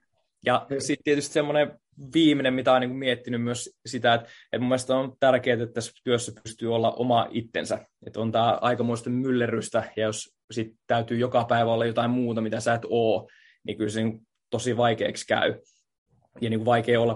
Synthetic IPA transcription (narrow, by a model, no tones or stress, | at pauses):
jɑsit̪t̪iet̪yst̪semːone | ʋiːminemmit̪æoˑiniːŋkumiet̪ːinymmyøssit̪æet̪et̪mumːelest̪ontt̪ærkeːt̪et̪t̪ːæst̪yøsːæpyst̪yːolːɑʔo̰mɑʔit̪ːḛnsæet̪ont̪æːʔɑ̰ikɑmoist̪ɑmylːeryst̪æjɑjos | sit̪t̪æyt̪yːjokɑpæiʋæolːɑjot̪ɑimmuːt̪ɑmit̪æsæːt̪oː | nḭːkylseniːŋku | t̪osiʋɑikḛːkskæ̰y | jɑniːkʋʋɑikeːolːɑ